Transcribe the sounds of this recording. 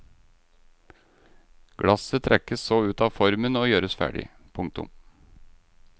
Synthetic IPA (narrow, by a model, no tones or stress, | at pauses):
ɡ̥ɽɑsət̪ʰɾʔɛkəssoːʉːt̪ɑːfɔɾmənoːjøːɾəsfæ̰ːɖɪ̰ | pʰʊŋkt̪ʊ̰m